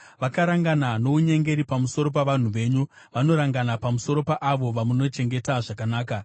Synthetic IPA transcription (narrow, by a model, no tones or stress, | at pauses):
ʋakaɾaŋɡanano̞uɲe̞ŋɡe̞ɾipamuso̞ɾo̞p̬aʋan̤uʋe̞ːɲu | ʋano̞ɾaŋɡanapamuso̞ɾo̞paʔaʋo̞ʋamuno̞t͡ʃe̞ŋɡe̞taʐakanaːka